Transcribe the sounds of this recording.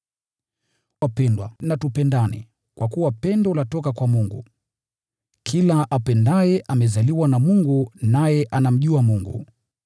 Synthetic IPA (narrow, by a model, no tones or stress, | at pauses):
wapɛndwa̰natupɛndanɛ̰ | kwʔakuwapɛndɔlatɔkakwamuŋɡṵ | kʰilaʔapɛndajɛʔamɛzaliwanamuŋɡunajɛʔanam̩ʄuamuŋɡṵ